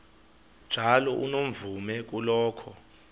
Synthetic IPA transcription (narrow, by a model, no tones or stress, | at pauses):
d̥ʒ̥ʱalɔʔunom̩vumɛk̬ʼulɔːkʰɔ